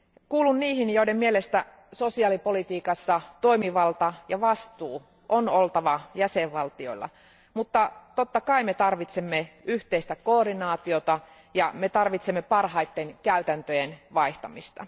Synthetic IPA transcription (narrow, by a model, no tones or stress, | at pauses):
kuːlunniːhinjoidemmielest̪æ | so̞siɑlipo̞lit̪iːkɑsːɑt̪oimiʋɑlt̪ɑjɑʋɑst̪uː | ʔonolt̪ɑʋɑjæseʋʋɑlt̪io̰ilːɑ̰ | mut̪ːɑt̪ot̪ːɑkɑimet̪ɑrʋit̪semːeyht̪eist̪ækoːrinɑːt̪io̞t̪ɑ | jɑme̞t̪ɑrʋit̪semːepɑrhɑit̪ːenkæyt̪ænt̪øjenʋɑiht̪ɑmist̪ɑ̰